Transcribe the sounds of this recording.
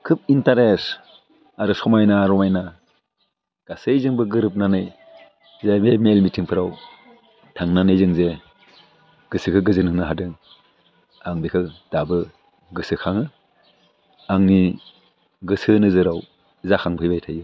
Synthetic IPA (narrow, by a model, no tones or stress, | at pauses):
kʰɯp̚intaɾes | aɾɯsɔmajnaɾɔmajna | ɡ̥asejzɯŋbɯɡɯɾɯp̚nanɯj | zememelmitʰiŋpʰɯɾaw | tʰaŋnanɯjzɯŋze | ɡ̥ɯsɯkʰɯɡɯzɯnɯŋnɯɦadɯŋ | aŋbikʰɯd̥abɯ | ɡɯsɯkʰaŋɯ | aŋni | ɡɯsɯnɯzɯɾaw | zakʰaŋbʰijbajtʰajɯ